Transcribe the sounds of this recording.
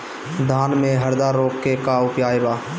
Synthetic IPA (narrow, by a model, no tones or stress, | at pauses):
d̪ʱaːnmẽɦəɾd̪aɾoːkːekaʊpjaːebaː